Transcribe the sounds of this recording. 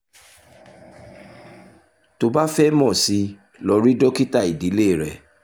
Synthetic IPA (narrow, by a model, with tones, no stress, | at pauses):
to˧ba˦fɛ˦mɔ̃˦˨si˧ | lɔ˧ɾi˦dɔ˦ki˦ta˦˨i˨di˨˦le˦˨ɾɛ˨